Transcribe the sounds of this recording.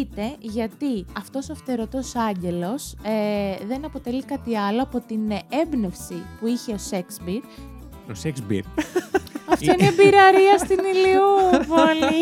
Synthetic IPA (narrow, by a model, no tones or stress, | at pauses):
it̪e̞ʝɐt̪iɐft̪o̞soɐft̪e̞ɾo̞t̪osɐɲɟe̞lo̞s | ðe̞nɐpo̞t̪e̞likɐt̪iɐlo̞ɐpo̞t̪ine̞bne̞fsipuiçe̞o̞seksbiɾ | oseksbḭɾ | ɐft̪oinebiɾɐɾiɐst̪iniliuvoli